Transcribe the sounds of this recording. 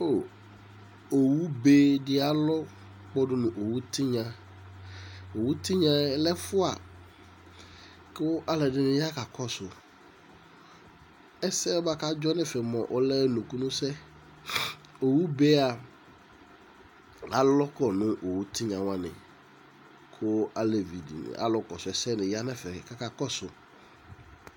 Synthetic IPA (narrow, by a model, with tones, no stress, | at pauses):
o˦˨ | o˨wu˦be˦dɪ˦a˨lɔ˦ | k͡pɔ˦dʊ˦nʊ̃˨ʔo˨wu˦t̪ʰi˦ɲã˨ | o˨wu˦t̪i˦ɲã˨˦lɛ˦fʊ˦a̰˨ | kɛ˦wʊ˦ʔa˦lɛ˨dɪ˦nʊ̃˦ja˦ka˨kʰɔ˦sʊ˨ | ɛ˦sɛ˦ɔ˦ba˦ka˦d͡ʒɔ˦nɛ̃˦fɛ˨mɔ̰̃˨ʔɔ˦lɛ˦nũ˨ku˦nʊ̃˦sɛ˦ | o˨wu˦be˦a˨ | a˨lɔ˦kɔ˨nʊ̃˦ʔo˨wu˦tʰi˦ɲã˨wã˦nɪ̰̃˨ | kʰʊ˦a˦lɛ˨vi˨dḭ˨n̰˨a̰˨lɔ˦kɔ˨sʊ˨ɛ˨˦sɛ˦nɪ̃˨ja˦nɛ̃˦fɛ˨ka˨ka˨kɔ˦sʊ˨